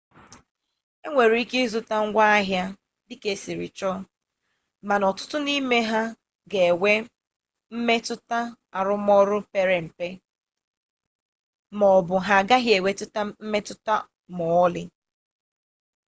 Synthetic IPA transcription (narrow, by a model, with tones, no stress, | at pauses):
e˦ŋʷe˨ɾi˦ke˦zʊ˦ta˦ŋ̩˦ɡʷa˦a˦ɦja˦ | dɪ˦ke˦si˨ɾɪ̰˨t͡ʃɔ˦ | ma˨nɔ˨tʊ˦tʊ˦ni˦me˦ɦa˦ | ɡe˨we˦ | m̩˦me˦tʊ˦ta˦ | a˨ɾʊ˦m˦ɔ˦ɾʊ˦pe˦ɾe˨m̩˨pe˦ | mɔ˨bʊ˨ɦa˨ɡa˦ɦje˨we˦tʊ˦ta˦m̩˦me˦tʊ˦ta˦ | mʊ˨ɔ˦lɪ˦